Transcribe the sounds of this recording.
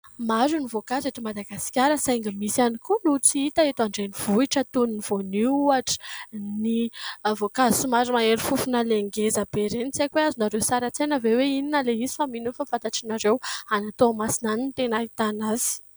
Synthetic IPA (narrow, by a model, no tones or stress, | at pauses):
maɾunivokazeʈ͡ʂ̪imad̪aɡasi̥kʲaɾəsajŋɡəmisanikunut͡siit̪aet̪aɳɖ͡ʐeniv̥uiʈ͡ʂət̪uniniv̥oniuaʈ͡ʂə̥nivokazisumaɾumaeɾifufunaleŋɡezab̥eɾenit͡sakʲweazinaɾewsaɾat͡sajnəveweininəleizi̥faminunfafat̪aʈ͡ʂinaɾewanat̪oamasinanint̪enait̪anaz̥i̥